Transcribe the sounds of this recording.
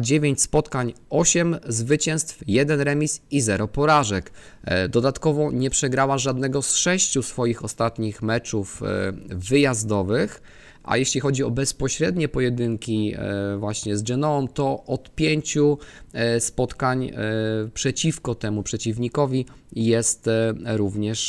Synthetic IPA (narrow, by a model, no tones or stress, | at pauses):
d͡ʑevʲjeɲt͡ɕspɔt̪kaɲɔɕɛmzvɘt͡ɕɛ̃st̪fjɛd̪ɛnɾɛmʲisizɛɾɔpɔɾaʐɛk | d̪ɔd̪at̪kɔvɔɲɛpʂɛɡɾawaʐad̪nɛɡɔsʂɛɕt͡ɕusfɔjixɔst̪at̪ɲixmɛt͡ʂuf | vɘjazd̪ɔvɘx | ʔa̰jɛɕlʲixɔd͡ʑiɔbɛspɔɕɾɛd̪ɲɛpɔjɛd̪ɘŋkʲivwaɕɲɛzd͡ʒɛnɔɔmt̪ɔʔɔt̪pʲjeɲt͡ɕu | spɔt̪kaɲpʂɛt͡ɕifkɔt̪ɛmupʂɛt͡ɕivɲikɔvʲi | jɛst̪ɾuvɲɛʂ